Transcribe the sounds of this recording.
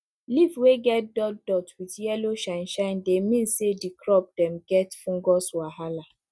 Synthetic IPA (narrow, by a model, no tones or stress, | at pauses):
livweɡɛt̚dɔtdɔtwitjɛloʃaɪ̃nʃaɪndemĩnsedikɾɔp̚dɛmɡɛtfũŋ̩ɡɔswaɦala